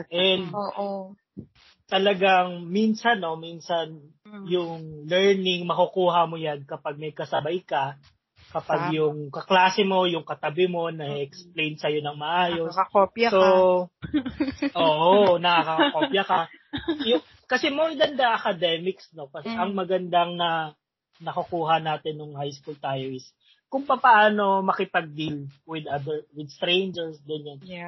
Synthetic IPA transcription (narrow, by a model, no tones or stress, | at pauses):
ʔɛnd̪ʔ | t̪ɐlɐɡaŋminsɐnːo̞minsɐn | jʊŋlɛɹnɪŋmɐkukuːɦɐmojankɐpaɡ̚mɐjkɐsɐbajkɐ | kɐpaɡjʊŋkɐklaːsɛmo̞jʊŋkɐt̪ɐbɪmo̞nɐɛʔɛksplejnsɐjo̞nɐŋmɐʔaːjo̞sɐkopjso | ʔoːʔonɐkakɐkɐkopjɐkɐjʊŋ | kɐsɛmoɹd̪ɐnd̪ɐʔɐkɐd̪ɛmɪksno̞kɐsɛʔɐŋmɐɡɐnd̪aŋnɐ | nɐkʊkuːɦɐnaːt̪ɛnːʊŋhajskult̪aːjo̞ɪs | kʊŋpɐpaːʔaːno̞mɐkɪpɐɡ̚d̪ilwɪd̪ad̪ɛɹwɪd̪st̪ɾejnd͡ʒɛɹsɡɐnjan